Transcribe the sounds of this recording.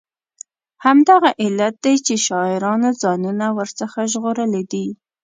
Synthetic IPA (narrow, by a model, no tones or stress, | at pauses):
hamd̪aɣaʔɪlat̪̚d̪ajt͡ʃeʃɑɪɾɑnozɑnunawəɾt͡səxaʒɣoɾəled̪i